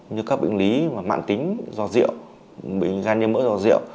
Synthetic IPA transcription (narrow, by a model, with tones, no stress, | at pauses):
ɲɨ˧kaː˦˥k̚ɓï˧˨ŋli˨˦maː˨˩ma̰ː˧˨nt̪ï˨˦ŋ̟zɔ˧˩zḭ˧˨əw | ɓḭ˧˨ŋ̟zaː˧nɲə˧nmə̰˧˥zɔ˧˩zḭ˧˨əw